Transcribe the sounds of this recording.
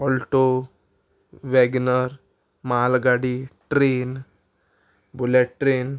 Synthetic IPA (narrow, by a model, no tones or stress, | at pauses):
ɔlʈo | ʋɛɡnəɾ | maalɡaɽiʈɾen | buleʈʈːɾen